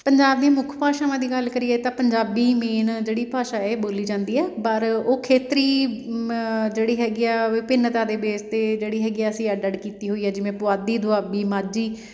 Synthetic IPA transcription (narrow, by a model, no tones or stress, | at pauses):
pəɲd͡ʒaːbneːmʊkʰpaːʃaːʋãːd̪iːɡəlkəɾiːeːt̪ãːpəɲd͡ʒaːbiːmeːnd͡ʒeːɽiːpaːʃaːeːboːliːd͡ʒãːnd̪iːɛːpəɾoːkʰeːt̪ɾiː | d͡ʒeːɽiːɦɛːɡiaːʋɪpɪnt̪ãːd̪eːbeːst̪eːd͡ʒeːɽiːɦɛːɡiɛːəsĩːəɖəɖkiːt̪iːɦoːiːɦɛːd͡ʒɪʋẽːpʊaːd̪iːd̪ʊaːbiːmaːd͡ʒiː